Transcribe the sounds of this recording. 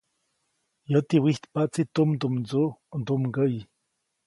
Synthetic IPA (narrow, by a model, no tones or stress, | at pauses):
jət̪iwiht̪paʔt͡sit̪umd̪umnd͡zuʔnd̪umɡəji